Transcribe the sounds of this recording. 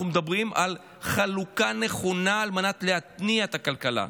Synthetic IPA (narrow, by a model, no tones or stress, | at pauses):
umed̪abʁimal | χalukane̞χo̞naːlmanat̪leat̪niaet̪akalkala̰